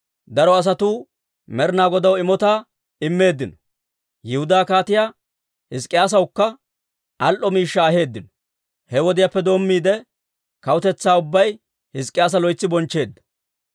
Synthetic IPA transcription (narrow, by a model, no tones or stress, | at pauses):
d̪ɐɾɔɐs̬ɐt̪uː | mɛɾnaːɡɔd̪ɐwɪmɔt̪aː | ɪmːe̞ːd̪ːɪnɔ̥ | jɪhʊd̪aːkaːt̪ɪjaː | hɪskʼːɪjaːs̬ɐwʊkːɐ | ʔɐlʔɔmiːʃːɐːɦe̞ːd̪ːɪnɔ̥ | hɛwɔd̪ɪjapːɛd̪o̞ːmːiːd̪ɛ | kɐwʊt̪ɛt͡sːaːʊbːɐj | hɪskʼɪjaːs̬ɐlɔjt͡sːɪbɔnt͡ʃːe̞ːd̪ːɐ̥